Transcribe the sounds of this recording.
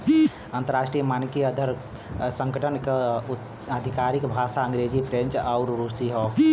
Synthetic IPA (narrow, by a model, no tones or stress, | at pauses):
ə̃nt̪əɾaːsʈɾijəmaːnkiəd̪ʱəɾ | sə̃ŋɡəʈənke | əd̪ʱikaɾikbʱaːsaə̃ŋɡɾed͡ʒipɾẽnt͡ʃaʊɾɾusiɦoː